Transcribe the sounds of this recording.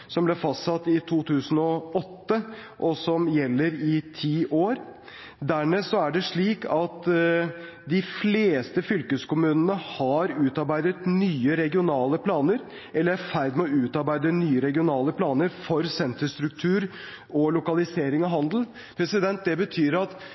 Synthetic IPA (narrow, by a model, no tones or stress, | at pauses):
sɔmblɛfɑst̪sɑt̪ːɪt̪ʰuːt̪ʰʉːsən̩ɔɔt̪ːəʔɔsɔmjɛlːəɾɪt̪ʰiːʔoːɾ | d̪æːmeːsɔæɖɛʂɭiːkɑt̪ | d̪ɪfleːst̪əfʏlkəskʊmʉːnənəhɑɾʉːt̪ɑɾbæɪd̪ət̪nyːəɾɛɡɪʊnɑːləpʰlɑːnəɾ | ɛlːəɾæfæɾd̪mɛɔʉːt̪ɑɾbæɪd̪ənyːəɾɛɡɪʊnɑːləpʰlɑːnəɾfɔɾsɛnt̪əst̪ɾʉk̚t̪ʰʉːɾ | ɔlʊkɑlɪseːɾɪŋɑɦɑnd̪l̩ | pʰɾɛsɪd̪ɛnt̪̚d̪ɛbət̪ʰyːɾɑt̪